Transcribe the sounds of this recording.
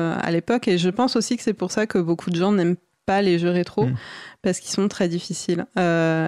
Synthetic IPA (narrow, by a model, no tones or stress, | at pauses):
a̰lepɔkeʒəpɑ̃sosikə̥sɛpuʁsakəbokʰud̪əʒɑ̃nɛm | paleʒøʁet̪χopaʁsə̥kilsɔ̃t̪χɛd̪ifisilø